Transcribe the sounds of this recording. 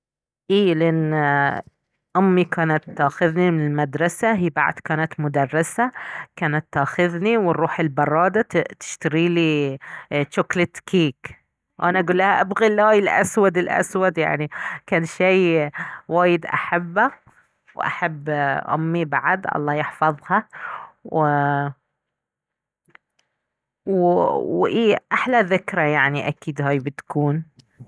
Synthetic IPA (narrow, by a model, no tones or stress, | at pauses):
ʔiːlɪʔɪnː | ʔʊmːikaːnat̪ːaːxɪðnimɪnɪlmad̪ɾˤɑsaɦiːba̰ʕ̰d̪kaːnat̪mʊd̪ɑrˤːɑsakaːnat̪ːaːxɪðniwɪrˤːuːħɪlbɑrˤːɑːd̪at̪ɪ̥ʃt̪aɾiːli | ʃʊklɪt̪ːkiːk | wʔanaʔaɡuːlːahaʔabɣilʔaːjɪlʔa̰swad̪ɪlʔa̰swad̪ja̰ʕnikaːnʃijwaːjɪd̪ʔa̰ħabːa | wʔa̰ħabːʔʊ̰mːibaʕad̪ʔɑ̰lˤːɑːjɪħfɑðˤhɑwɪ | wwʔiːʔaħlaðɪkɾajaʕniʔakiːd̪haːjbɪt̪kuːn